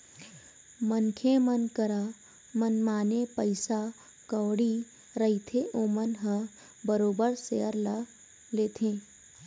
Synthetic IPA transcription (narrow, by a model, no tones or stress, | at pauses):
mənkʰemənkəɾa | mənmaːnepəɪsa | kəːɽi | ɾəit̪ʰeʔoːmənɦə̃ | bəɾoːbəɾseəɾla | leːt̪ʰẽː